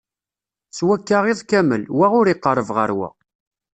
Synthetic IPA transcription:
swækːaʁeðˤkæməlwæʁʊɾiqːəɾˤəvʁə̰ɾwæ̰

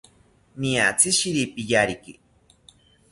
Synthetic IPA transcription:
nia̰t͡siʃiɾipijaɾiki

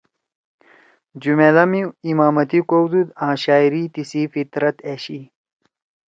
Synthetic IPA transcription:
d͡ʑumelɐmiimaːmɐt̪ikowd̪ud̪ãːɕaːiɾit̪isiːfit̪ɾɐt̪eɕi

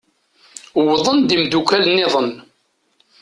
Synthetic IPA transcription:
wðˤənd̪imd̪ukælnːɪðˤən

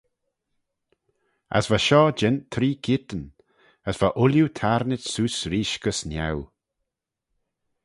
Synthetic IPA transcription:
a̰svaʃɔːd͡ʒɛnt̪ʰːɾiːkʰit̪ən | əsv̥aʔʊljut̪ʰaɾnɪtsuːsɾiːʃɡəsnʲja̰w

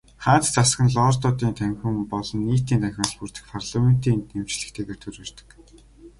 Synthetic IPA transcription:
χaːt̪t͡sasɡə̆nɮɔːrt̪ʊːt̪iːnt̪ʰæŋxʲŭmpɔɮɞ̆nːiːt̪iːnt̪ʰæxʲɪ̆ŋɮpurt̪ɘ̆xpʰarɮamen̥t̪iːnem̥t͡ɕɮɘ̆kt̪ʰeːɣeːrt̪ʰɵɾoːrt̪ə̥̆k

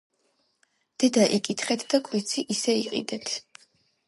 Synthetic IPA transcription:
d̪̥ɛd̪aʔikʼit̪ʰχɛt̪ʰd̪akʼwit̪sʰiʔisɛiqʼḭd̪ɛt̪ʰ

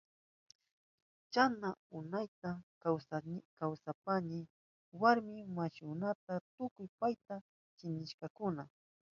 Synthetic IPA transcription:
t͡ʃanaʊnajt̪a | wkawsapanɪ | waɾmɪmaʃʊnat̪at̪ʊkʊjpajt̪a | t͡ʃɪnɪʃkɑkʊna

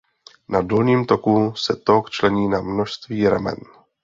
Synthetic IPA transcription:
nadolɲiːmt̪o̞kusɛt̪okt͡ʃlɛɲiːnamno̞ʃst̪viːɾa̰mɛ̰n

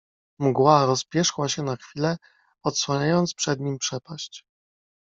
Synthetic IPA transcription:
mɡwaɾɔspʲjɛʂwaɕɛnaxfʲilɛ | ɔt̪swaɲajɔnt̪spʂɛd̪ɲimpʂɛpaɕt͡ɕ

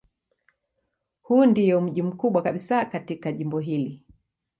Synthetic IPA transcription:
huːndijɔm̩ʄim̩kuɓwakaɓisakatikaʄimbɔɦili

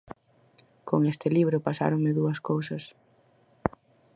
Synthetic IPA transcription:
koŋest̪ɪliβ̞ɾʊpasa̰ɾoŋmɪðuɐskowsɐs

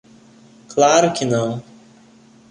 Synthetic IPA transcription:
klaɾʊkɪnɐ̃w̃

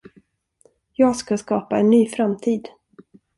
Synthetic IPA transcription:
jɑːɡskaskɑːpaɛnːyːfɾamt̪ʰiːd̪

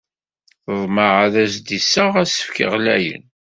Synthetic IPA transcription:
θðˤməʕaðæsd̪isəʁæsə̥fkə̰ʁlæ̰jə̰n

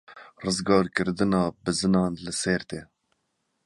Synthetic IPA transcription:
rɨzɡɑːɾkɨɾd̪ɨnɑːbɨzɨnɑːnlɨsɛɾt̪eː

